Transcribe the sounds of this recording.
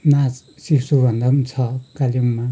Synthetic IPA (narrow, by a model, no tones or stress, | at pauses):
nat͡s | sisubʱʌnd̪ʱʌnt͡sʰʌkaljumːa